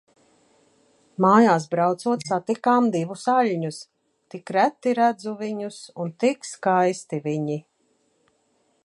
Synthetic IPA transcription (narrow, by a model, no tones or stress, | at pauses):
maːjaːsbɾawt̪suɔt̪sat̪ikaːmd̪ivusaʎʲɲus | t̪ikɾæt̪ːiɾæd̪zuviɲusunt̪ikskajst̪iviɲi